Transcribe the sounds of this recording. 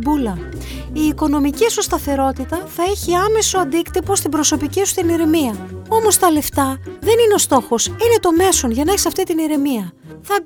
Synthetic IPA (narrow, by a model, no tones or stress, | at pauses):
bulɐ | iːko̞no̞micisust̪ɐθe̞ɾo̞t̪it̪ɐθɐe̞çiɐme̞so̞ɐnd̪ikt̪ipo̞st̪ibɾo̞so̞picisu̥t̪iniɾe̞miɐo̞mo̞st̪ɐle̞ft̪ɐðe̞nineo̞st̪o̞xo̞sine̞t̪o̞me̞so̞nʝɐnɐeçisɐft̪it̪iniɾe̞miɐ | θɐ